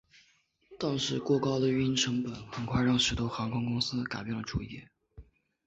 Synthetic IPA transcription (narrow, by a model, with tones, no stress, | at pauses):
t̪ɑ˥ŋʂɻ̩˧˥kwɔ˥˩kɑ˥ʊd̪ə˨y˥i˥nʂʰɤ˧˥ŋpə˨˩˦nxə˨˩nkʰwa˥˧ɪɻɑ˥˩ŋʂɻ̩˧˥t̪ʰo˧˥ʊxɑ˧˥ŋkʰʊ˥ŋkʊ˥ŋsɹ̩˥ka˨˩ɪpjɛ˥˩nlə˩ʈ͡ʂʰṵ˧˥˩i˧˩ɛ˥˩˦